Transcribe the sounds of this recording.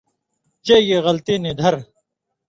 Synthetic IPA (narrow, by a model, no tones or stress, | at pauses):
t͡ɕejeːɣɐlt̪eːneːd̪ʱɐɾ